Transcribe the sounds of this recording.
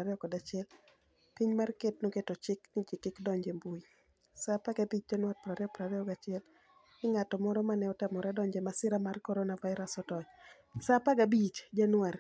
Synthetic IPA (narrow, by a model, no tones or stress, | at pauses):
aɾɛɔkɔdat͡ʃɪɛl | piɲmarketnoketɔt͡ʃɪknɪd͡ʒɪkɪkdɔɲd͡ʒembui | sapaɡabit͡ʃ̚d͡ʒanwat̚pɾaɾɛɔpɾaɾɛɔɡat͡ʃɪɛl | ɪŋatɔmɔɾɔmanɛɔtamɔɾadɔɲd͡ʒemasɪɾamarkɔɾɔnavaɪɾasɔtɔɲ | sapaɡabit͡ʃd͡ʒanwaɾ